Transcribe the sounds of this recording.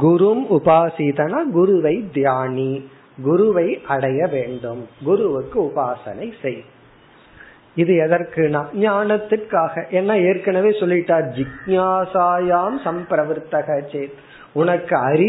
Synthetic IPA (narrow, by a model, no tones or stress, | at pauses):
ɡʊɾʊmʊbaːsiːðɐnaːɡʊɾʊʋɐɪd̪jaːni | ɡʊɾʊʋɐɪʔɐɽɐjɐʋeːɳɖɯmɡʊɾʊʋɯkːɯʊbaːsɐ̰nɐɪsɛj | ɪðɯɛðɐɾkɯnãːɲaːnɐt̪ːɯʈkaːɣɐʔɛnːɐeːɾkɐnɐʋeːsɔlːɪʈːaːɾd͡ʒɪɡɲaːsaːjaːmsɐmpɾɐʋɪɾt̪ːɐɣɐt͡ʃeːt̪ | ʊnɐkːɯɐɾɪ